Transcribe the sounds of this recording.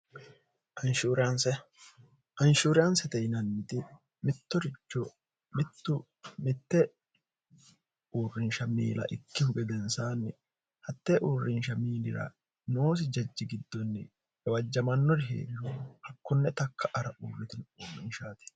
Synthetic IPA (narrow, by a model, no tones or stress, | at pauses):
ʔɐnʃuːɾɪɐnsɛ | ʔɐnʃuːɾɪjɐnsɛt̪ɛjnɐnːɪt̪ɪ | mɪt̪ːɔɾɪt͡ʃːɔ | mɪt̪ːʊ | mɪt̪ːɛ | uːrːɪnʃɐmiːlɐ̰ʔɪkːɪhʊɡɛd̪ɛnsaːnɪ | hɐt̪ːɛʔurːɪnʃɐmiːlɪɾɐ̰ | noːs̬ɪd͡ʒɐd͡ʒːɪɡɪd̪ːɔnːɪ̰ | ɛwɐd͡ʒːɐmɐnːɔɾɪɦḛːɾɪhɔhɐkːɔnːɛt̪ɐkʰːɐʔɐɾɐʔuːrːɪt̪ɪnuːrːɪnʃaːt̪ɪ̥